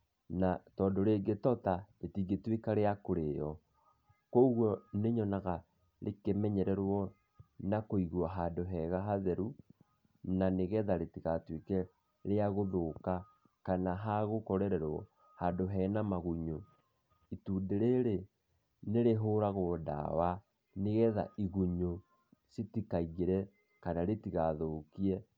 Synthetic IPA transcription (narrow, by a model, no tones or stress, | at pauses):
natɔːdoɾeɡetɔtaetiɡetwekaɾeakoɾejɔ | kouɣwɔneɲɔnaɣa | ɾʔekemɛɲɛɾɛɾwɔ | nakoiɣwaɦaːndoɦɛɣaɦaðɛɾu | naneɣɛðaɾetiɣatwekɛ | ɾeaɣoðoːka | kanaɦaɣokɔɾɛɾɛɾwɔ̰ | haːndoɦɛnamaɣuɲo | ituːndeɾeɾe | neɾeɦoːɾaɣoːda̰wa | neɣɛða̰ʔiɣuɲo | sitikaiɣeɾɛ | kanaɾetiɣaðokiɛ